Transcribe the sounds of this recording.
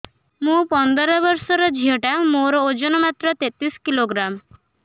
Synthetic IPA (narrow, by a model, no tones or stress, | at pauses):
mũpɔnd̪ɔɾɔbɔɾsɔɾɔd͡ʒʱiɔʈamoɾɔod͡ʒɔnɔmat̪ɾɔt̪et̪ɾisɔ̥kiloɡɾam